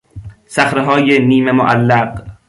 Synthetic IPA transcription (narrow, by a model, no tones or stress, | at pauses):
sæxɾeɦɒːjeniːmemoʔælːæɢ